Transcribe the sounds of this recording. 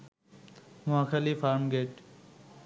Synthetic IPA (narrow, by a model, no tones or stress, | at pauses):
mʊɦaxʰalifaɾmɡeʈ